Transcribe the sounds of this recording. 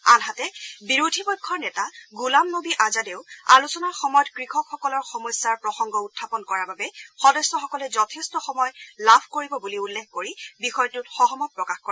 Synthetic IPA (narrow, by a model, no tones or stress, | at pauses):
anɦatɛbiɹudʱibɔjkʰːɔɹnɛtaɡulamnobiʔazadeʊa̰lusɔnaɹxɔmɔjɔtkɹixɔkxɔkɔlɔɹxɔmɔsːaɹpɹɔxɔŋɡɔutʰːapɔnkɔɹababɛxɔdɔsːɔxɔkɔlɛzɔtʰestɔxɔmɔjlabʰʱkoɹibɔbuliulːexkoɹibixɔjtutxɔɦɔmɔt̚pɹɔkaxkɔɹa